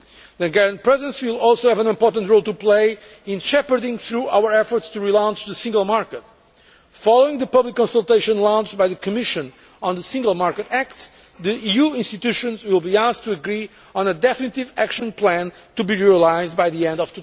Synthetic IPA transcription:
ðɨ̃ɡɛɹɨ̃nt̚pɹɛzɨ̃nswɪlˠɔlˠsoʊhævə̃nɪ̃mpɔɹtə̃ntɹoʊlˠt̪upleɪ | ɪ̃nʃɛpə˞dɪ̃ŋθɹua̰wə˞ɛfɔɹtstuɹilãʊ̃nt͡ʃðəsɪ̃ŋɡəlˠmaɹkət | fɔlˠoɪ̃ŋðəpʌblikːɔ̃nsəlˠt̪eɪʃə̃nlãw̃nt͡ʃbajðɨkʰɨmɪʃɨ̃n | ə̃nðəsɪ̃ŋɡəlˠmaɹkɨtæk̚t | ðiijuɪ̃nstit̪uʃɨ̃nzwɪlˠbiastʰuəɡɹi | ɔ̃nəd̪ɛfnit̪ivækʃɨ̃npʰlæ̃n | t̪ubiɹiəlaɪzd̚bajðiɛ̃ndʌvt̪u

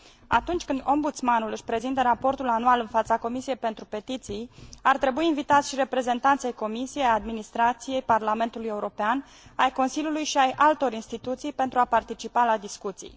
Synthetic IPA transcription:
a̰t̪unt͡ʃʲkɨnd̪o̞mbut̪smanulɨʃʲpɾe̞zint̪əɾapo̞rt̪ulanualɨnfat̪sako̞misije̞jpe̞nt̪ɾupe̞t̪it̪sijart̪ɾe̞buiːnvit̪at̪sʲʃiɾe̞pɾe̞ze̞nt̪ant̪sejko̞misijejad̪minist̪ɾat̪sije̞jparlame̞nt̪uluje̞uɾo̞pean | ajko̞nsilʲjulujʃiajʔalt̪o̞ɾinst̪it̪ut̪sijpe̞nt̪ɾuapart̪it͡ʃipalad̪iskut̪sḭj

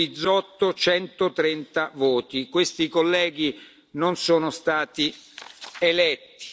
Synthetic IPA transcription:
id̪zːɔt̪ːot͡ʃɛnt̪ot̪ɾɛnt̪avoːt̪ikwest̪ikolːɛːɡ̟i | nonsɔːnost̪aːt̪i | elɛt̪ːi̥

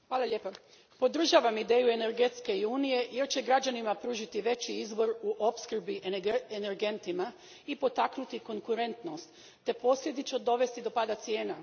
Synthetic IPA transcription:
xʋaːlˠalʎeːpa | po̞d̪r̩ʒaʋamid̪e̞ːjue̞ne̞ɾɡe̞t̪ske̞iuːnije̞je̞ɾt͡ɕeɡɾad͡ʑanimapɾuːʒit̪iʋe̞t͡ɕiizbo̞ɾuʔopskr̩biʔeene̞ɾɡe̞nt̪ima | ipo̞t̪aknut̪iko̞ŋkuɾe̞nt̪no̞st̪ː | e̞po̞sʎʲe̞d̪it͡ʃod̪o̞ʋe̞st̪id̪opaːd̪at̪sje̞ːna

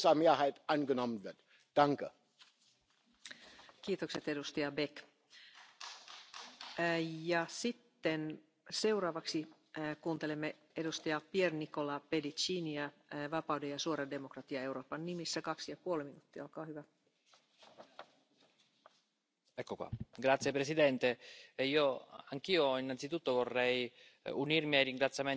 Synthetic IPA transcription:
sɑmiæhait̪anɡənomd̪æd̥̪ | d̪̥ɑŋkə | kiːt̪okset̪e̞dust̪ɑjɑbek | jɑsit̪ːen | se̞urɑːʋɑksi | kuːnt̪elemːe | edust̪ɑjɑpiernikolɑpedit͡ʃiːniæʋɑpɑwdejɑsuoɾɑde̞mokrɑt̪iɑe̞wɾoːpɑnːimisːækɑksijɑpuolminut̪ːiɑolkɑːhyʋæ | ɛkːokwa̰ɡɾat̪sːjepɾesid̪ɛnt̪eeiːoaŋk̟iːoinːant̪sit̪ut̪ːovorːɛj | unirmiajriŋɡɾat̪sːjame

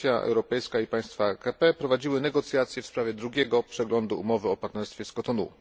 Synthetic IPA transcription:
jaʔɛ̰wɾɔpɛjskaipaj̃st̪fakapɛpɾɔvad͡ʑiwɘnɛɡɔt̪sʲjat̪sjɛfspɾavʲjɛd̪ɾuɡʲɛɡɔpʂɛɡlɔnd̪uṵmɔvɘɔpaɾt̪nɛɾst̪fʲjɛskɔt̪ɔnṵ

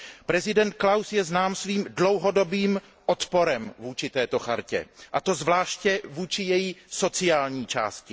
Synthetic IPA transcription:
pɾɛzɪdɛnt̪̚klawsjɛznaːmsviːmdlo̞wɦo̞do̞biːm | ʔot̪po̞ɾɛmvuːt͡ʃɪt̪ɛːt̪o̞xaɾcɛ̰ʔat̪o̞zvlaːʃcɛvuːt͡ʃɪjɛjiso̞t͡sɪaːlɲiːt͡ʃa̰ːscɪ

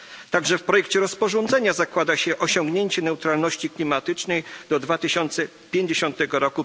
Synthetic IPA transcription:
t̪aɡʐɛfpɾɔjɛkt͡ɕɛɾɔspɔʐɔnd̪zɛɲazakwad̪aɕɛʔɔɕɔŋɡɲeɲt͡ɕɛnɛwt̪ɾalnɔɕt͡ɕiklʲimat̪ɘt͡ʂnɛjd̪ɔd̪vat̪ɘɕɔnt̪sɛ | pʲjeɲd͡ʑeɕɔ̃nt̪ɛɡɔɾɔku

